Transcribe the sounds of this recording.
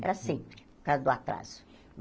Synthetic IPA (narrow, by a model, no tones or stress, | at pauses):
ɛ̰ɾɐsẽmpɾɪ | kazʊd̪ʊat̪ɾa̰zʊ̥